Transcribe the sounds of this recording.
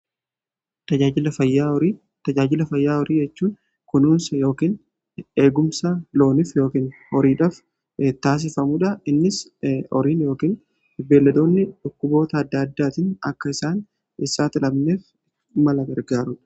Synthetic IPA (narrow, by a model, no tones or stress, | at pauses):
t̪ɐd͡ʒaːd͡ʒɪlɐfɐjːaɾiː | t̪ɐd͡ʒaːd͡ʒɪlɐfɐjːaːɔɾiːd͡ʒɛt͡ʃːuːn | kʊnuːnsjo̞ːkiːn | e̞ːɡʊmsɐlo̞ːnɪfjo̞ːkiːnhɔɾiːᶑɐf | t̪aːs̬ɪfɐmuːᶑɐɪnːɪsɔ̰ɾiːnjo̞ːkiːn | be̞ːlːɐd̪o̞ːnːɪᶑʊkːʊbo̞ːt̪ɐːd̪ːɐɐd̪ːaːt̪ɪnɐ̰kːɐɪsaːn | ɪsaːt̪ɪlɐbne̞ːf | mɐlɐbɐɾɡaːɾʊᶑɐ̥